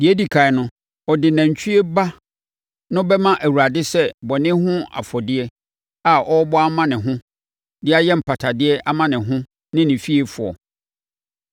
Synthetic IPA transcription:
dɪ˨e˦di˨kʰa˨ɛ˨nʊ̃˦ | ɔ˨dɪ˨nã˨ɲ˨t͡ɕʰᶣi˦e˦ba˦ | nʊ̃˦bɛ˦mã˦ʔæ˨wu˨ɾa˨dɪ˦sɛ˦˨bɔ˨nɪ̃˦ɦʊ̃˦a̰˨fɔ˨dɪ˦ɛ˦ | a˨ʔɔ˦bɔ˦a˦mã˦nɪ̃˨ɦʊ̃˦ | dɪ˦a˦jɛ˦m̩˨pʰa˨tʰa˨dɪ˦ɛ˦ʔa˦mã˦nɪ̃˨ɦʊ̃˦ | nɪ̃˦nɪ̃˨fi˦e˨fʊ˨ɔ̰˨

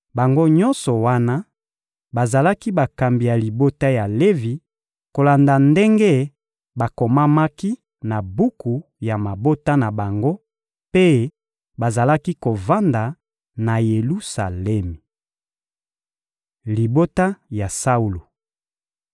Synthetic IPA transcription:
ba˨ŋɡo˦ɲɔ˦nsɔ˨wa˦na˦ | ba˨za˨la˦ki˦ba˨ka˨mbi˨ja˨li˨bo˦ta˦ja˨le˦vi˨ | ko˨la˨nda˨nde˦ŋɡe˦ | ba˨ko˨ma˦ma˦ki˦ | na˨bu˦ku˨ | ja˨ma˨bo˦ta˦na˨ba˨ŋɡo˦ | pe˦ | ba˨za˨la˦ki˦ko˨va˦nda˨ | na˨je˨lu˦sa̰˨lɛ˦mi˨ | li˨bo˦ta˦ja˨sa˦u˨lu˨

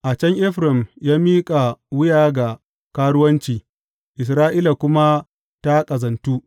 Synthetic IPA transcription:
ʔa˨t͡ʃɛ˦ŋʔɪ˦ɸɾɪ˨mjaː˦miː˦kʼa˨wʊ˦jaː˨ɡa˨ | kaː˦ɽʊ˦wɐ˦nt͡ʃiː˨ | ʔɪ˨s̬ɾaː˦ʔiː˦la˨kʷʊ˦ma˦ | ta˦kʼɐ˨zɐ˨ntuː˦ʔ

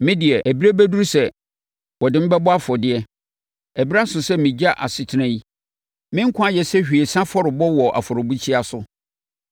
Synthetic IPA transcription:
mɪ̃˦dɪ˨ɛ˨ʔæ˨bi˦ɾe˦bæ˦du˦ɾsɛ˨ | wɔ˨dɪ˦m̩˦bɛ˦bɔ˦a˦fɔ˨dɪ˦ɛ˦ | ɛ˨bi˦ɾa˦sʊ̃˨sɛ˦mɪ̃˨d͡ʑa˦ʔa̰˨sɪ˨tʰɪ˦nã˦i˦ | mɪ̃˦ŋ̩˦kʰʊ̃˦a˦jɛ˨sɛ˦ɕᶣi˨e˨sã˦fɔ˦ɾɪ˨bɔ˦wɔ˨ʔa̰˨fɔ˨ɾo˨bu˦t͡ɕʰi˦a˨sʊ˦

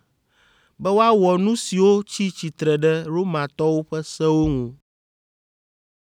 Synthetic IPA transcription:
bɛ˦wo˦a˦wɔ˨nũ˦si˨wo˦t͡ɕi˦t͡ɕi˨t̪ɾɛ˨ɖɛ˦ɾo˦mã˨t̪ɔ˦wo˦ɸɛ˦sɛ˦wo˦ŋũ˨

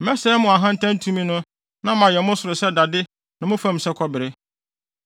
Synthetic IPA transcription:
m̩˨mɛ˦sɛ˦mʊ̃˨a˨ɦã˦n̩˦tʰã˦n̩˦tʰũ˦mĩ˦nʊ̃˦ | nã˦mã˨jɛ˨mʊ̃˦sʊ˨ɾʊ˨sɛ˦da˨dɪ˦ | nã˨mʊ̃˦fã˦m̩˨sɛ˦kʰɔ˦bɪ˨ɾɪ˦

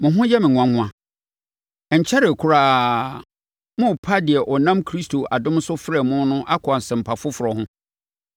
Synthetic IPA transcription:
mʊ̃˨ɦʊ̃˦jɛ˦mɪ̃˨ŋ̃ʷ˨ã˨ŋʷʊ̃˦ã˨ | ɛ˨ɲ̩˨t͡ɕʰɛ˦ɾɪ˨kʰʊ˦ɾaː˦ | mʊ̃˦˨pʰa˦dɪ˨ɛ˨ʔɔ˨nã˦mkʰɾi˦stʰo˨ʔa˨dʊ̃˦m˦sʊ˦fɪ˦ɾɛ˨mʊ̃˦n˦nʊ̃˦ʔa˦kʰʊ˨a˨n˨sɛ̃˨m̩˨pʰa˨fʊ˦fʊ˨ɾɔ˨hʊ̃˦

